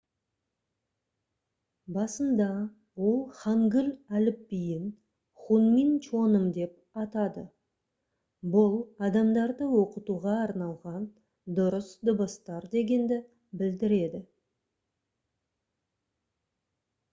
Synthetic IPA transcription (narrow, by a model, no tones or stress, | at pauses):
bɑsəmd̪ɑ | wo̞lˠχɑŋɡʲʏlʲælɪpːijɪn | χunmint͡ʃʰo̞nəmd̪e̞p̚ | ɑt̪ɑd̪ə̰ | bʊlˠɑd̪ɑmd̪ɑɾd̪əwo̞qət̪uʁɑːɾnɑlˠʁɑn | d̪ʊɾəsd̪ʊbəst̪ɑɾd̪e̞ɡʲe̞nd̪ɪ | bɪld̪ɪɾe̞d̪ɪ